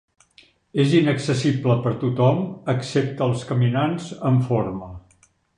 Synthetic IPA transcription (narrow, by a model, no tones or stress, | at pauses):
ezinəksəsibləpəɾt̪ut̪ɔməksep̚t̪əːlˠskəminanzəɱfoɾmə